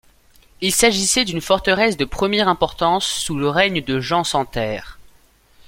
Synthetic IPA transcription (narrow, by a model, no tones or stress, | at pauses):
ilsaʒisɛd̪ynfɔʁt̪əʁɛsd̪əpχəmjɛʁɛ̃pɔʁt̪ɑ̃sːuləʁɛɲd̪əʒɑ̃sɑ̃t̪ɛːʁ